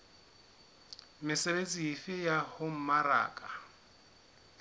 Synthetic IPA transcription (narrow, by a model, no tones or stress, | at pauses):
mɪsebet͡sʼiifɪjahʊm̩maɾa̰ːkʼa